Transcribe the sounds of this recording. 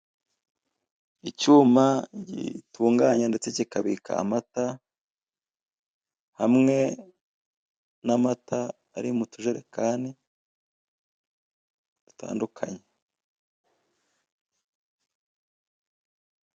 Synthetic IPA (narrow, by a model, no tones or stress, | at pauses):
icuːmaɟḭtuːŋɡaɲande̞t͡secikaβika̰ːmata | hamŋe̞ | namataː | ɾimutuʒeɾe̞kaːni | d̥utʰa̰ːndukʰaɲe